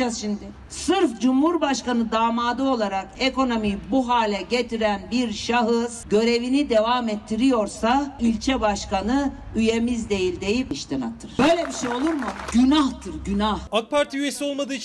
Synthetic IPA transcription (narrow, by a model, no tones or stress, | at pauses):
azʃimd̪ɪ | sɯɾfd͡ʒumhuɾbaʃkanɯd̪aːmaːd̪ɯo̞lˠaɾakeko̞no̞mibuɦaːlʲɛɟet̪ʰiɾænbiɾʃaɦɯz̥ɟø̞ɾe̞vinid̪e̞vamɛt̪ʰːiɾijo̞ɾsailʲt͡ʃʰɛbaʃkanɯ | yjemizd̪e̞jilʲd̪e̞jipiʃt̪ʰina̰t̪ʰːɯɾ̥b̥ø̞jlʲɛbiʃejo̞lˠuɾmuɟynaht̪ʰɯɾɟynahak̚pʰaɾt̪ʰiyjesio̞lˠmad̪ɯː